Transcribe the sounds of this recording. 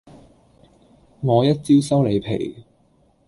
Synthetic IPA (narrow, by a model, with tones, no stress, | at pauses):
ŋɔː˨˧jɐ˥t̚t͡siː˥wsɐ˥wle˨˧jpʰḛ˨˩j